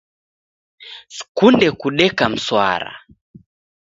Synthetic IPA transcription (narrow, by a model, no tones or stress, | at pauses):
skundɛkuɗɛkam̩swa̰ɾa̰